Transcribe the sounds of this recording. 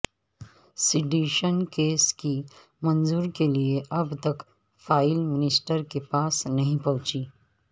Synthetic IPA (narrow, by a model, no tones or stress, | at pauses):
sɪɖiːʃənkeːski | mɐ̃nzuːɾkelieʔɐbt̪ɐk | faːɪlmɪnɪsʈəɾkepaːsnɐɦĩpɐ̃ɦʊ̃t͡ʃi